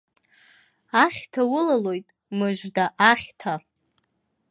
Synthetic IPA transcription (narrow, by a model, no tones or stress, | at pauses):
aχʲtʰawʊlalo̞jtʼ | mɨʒʷdaʔaχʲtʰa